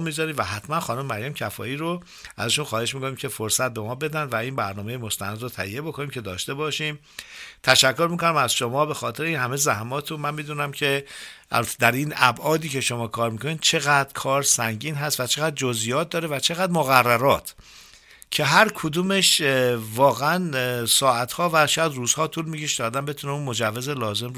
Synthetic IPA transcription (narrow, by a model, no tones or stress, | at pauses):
mizɒːɾid̪væɦæt̪ʰmænxɒːnomemæɾjæmcʰæfɒ̰ːiːɾo | æ̰zæʃunxɒːhe̞ʃmikoniːmcʰe̞foɾsæt̪̚be̞mɒːbe̞d̪ænd̪væinbæɾnɒːme̞jemost̪ænæd̪rot̪ʰæijːe̞bo̞kʰo̞niːmcʰe̞d̪ɒːʃt̪e̞bɒːʃiːm | t̪ʰæʃækʰːo̞ɾmiːkonæmæzʃo̞mɒːbe̞xɒːt̪ʰe̞ɾeiːnhæmezæhmɒːt̪ʰunmænmiːd̪uːnæmcʰe̞ʔæ̰lbæt̪ʰed̪æɾiːnæbʔɒːd̪iːcʰe̞ʃo̞mɒːkʰɒːɾmiːkʰoniːd̪̥̚t͡ʃʰe̞ɣæd̪ɾkʰɒːɾsæŋɟiːnɦæst̪væt͡ʃʰe̞ɣæd̪̚d͡ʒozijɒːt̪̚d̪ɒːɾevæt͡ʃʰe̞ɣæd̪moɣærːæɾɒːt̪ʰ | cʰe̞ɦæɾkʰod̪uːmeʃvɒːɣeænsɒːæt̪hɒːvæʃɔjæd̪ruːz̥hɒːt̪ʰuːlmicʰeʃd̪ɒːd̪ænbe̞t̪ʰuneunmo̞d͡ʒævːezelɒːze̞m